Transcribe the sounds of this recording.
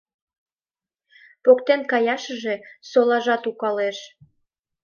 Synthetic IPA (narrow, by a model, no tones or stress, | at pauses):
pokt̪enkɑjɑʃəʒe̽solɑʒɑt̪ukɑleʃ